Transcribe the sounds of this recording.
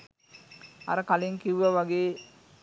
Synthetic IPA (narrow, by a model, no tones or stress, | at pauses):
ɐ̰ɾɐkɐleŋkiʋʋɐʋɐɡeː